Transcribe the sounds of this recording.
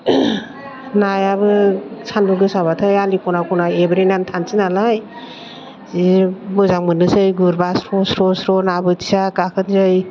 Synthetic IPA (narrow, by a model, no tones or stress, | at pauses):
najabɯsʰanbuɡɯsaβatʰɯjalikɔnakunaebɾinantʰansinalaj | zibɯzaŋmɯnɯzɯjɡuɾbasɾɔsɾɔsɾɔnabɯti̥sakakʰɯnzɯj